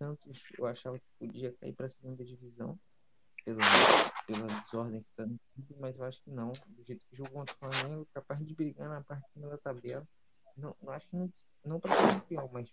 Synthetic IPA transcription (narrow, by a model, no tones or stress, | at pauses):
t̪ɐ̃nt̪ʊsḛwaʃavɐkɪ̥pod͡ʒiɐka̰ḭpɾɐsɪeɡũnd̪ɐd͡ʒivizɐ̰̃w̃ | pelɐpelɐd͡ʒɪzɔɦd̪ẽj̃kɪ̥t̪anʊt̪ub̪ʊmɐzewaʃʊ̥kɪnɐ̃w̃d̪ʊʒejt̪ʊ̥kʊʒoɡɐkõnt̪ɾʊflamẽŋɡʊkapazd͡ʒɪbɾiɡaɾnɐpaɾt͡ʃɪ̥sĩmɐd̪ɐt̪abɛlɐ | nɐ̃w̃nɐ̃w̃aʃʊ̥kɪnɐ̃w̃ | nɐ̃w̃pɾɐ̃d̪pãmɐjs